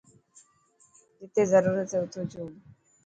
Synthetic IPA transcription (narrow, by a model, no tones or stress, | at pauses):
d͡ʒɪt̪ezəɾuːɾət̪seʊt̪ʰoːt͡ʃuːɡ